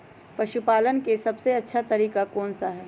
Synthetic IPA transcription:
pɐʃupaːlənkesɐbseɐtːʃʰat̪ɐɾiːkakɔːnsaɦɛː

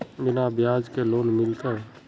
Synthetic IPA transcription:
bɪnabjaːd͡ʒkeloːnmɪlt̪eɦɛ

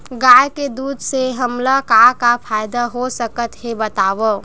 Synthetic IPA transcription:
ɡaːjked̪uːd̪ʱseɦəmlakakapʰaːjd̪aɦosəkət̪ɦebət̪aːʋo

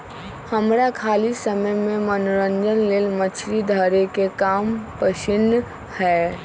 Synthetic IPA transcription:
həmɾakʰaːlisəməjməẽmənʊɾə̃nd͡ʒənleːlmət͡ʃʰɾid̪ʱəɾekekaːmpəʃɪnːə | hɛː

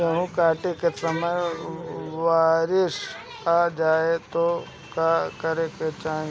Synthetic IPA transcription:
jɐɦũkaːʈekesɐməj | ʋaːɾɪʃ | aːd͡ʒaːet̪o | kaːkɐɾeket͡ʃaːɦĩ

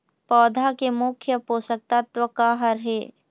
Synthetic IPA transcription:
pɔːd̪ʱakemʊkʰjəpoːsək̚t̪at̪wəkaːɦəɾɦeː

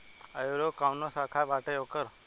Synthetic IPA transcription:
ajoɾokaːʋnosaːkʰaʋaːʈejoːkəɾ

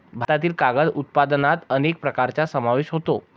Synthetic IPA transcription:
bʱaat̪iːlkaɡəd̪ut̪̚pad̪nat̪ənek̚pɾəkaɾt͡ɕasəmaʋeɕɦot̪o

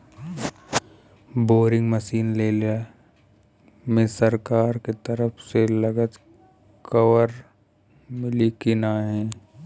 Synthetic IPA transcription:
boːɾɪ̃ŋɡməsiːnleːl | mẽsəɾkaːɾket̪ɐɾəpʰselɐɡət̪ | kɐʋəɾ | mɪlikinaɦɛ̃ː

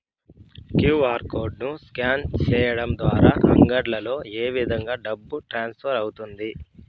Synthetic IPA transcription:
kjuːʋaːɾkoːɾɖ̚nuskjaːnt͡ʃɛːjɐɽɐmd̪ʋaːɾaːʔɐ̰ŋɡɐɾlɐlo̞ːeːʋid̪ʱɐŋɡaːɖɐbːuʈɾaːnspʰɐɾɐwut̪und̪i

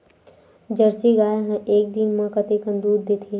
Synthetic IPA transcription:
d͡ʒɐɾsiɡaːjaɦẽʔeːk̚d̪inmãkɐt̪ikɐ̃nd̪uːd̪̚ːet̪ʰiː

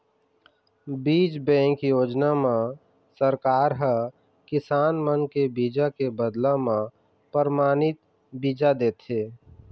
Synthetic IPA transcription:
biːd͡ʒbɛ̃ːŋkjoːd͡ʒnamã | səɾkaːɾɦə | kɪsaːnmənkebiːd͡ʒakebəd̪lãmã | pɾəɾmaːnɪt̪̚ | biːd͡ʒad̪eːt̪eː

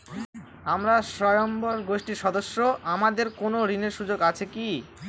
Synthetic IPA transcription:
amɾaʃɔjomboɾɡoʃʈiɾʃɔd̪oʃːoʔamad̪eɾkonoɾineɾʃud͡ʑoɡat͡ɕʰeki

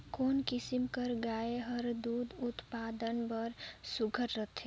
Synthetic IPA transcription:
koːnkɪsimkəɾɡaːeɦəɾd̪uːd̪ʊt̪paːd̪ənbəɾsʊɡʱəɾɾət̪ʰe

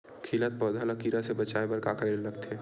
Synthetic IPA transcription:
kʰiːlət̪̚pɔːd̪ʱaləkiɾasebət͡ʃaebəɾkaːkalelːɐɡt̪ʰe

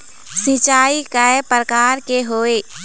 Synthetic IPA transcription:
sit͡ʃaːikaepɾəkaːɾkeɦoːe

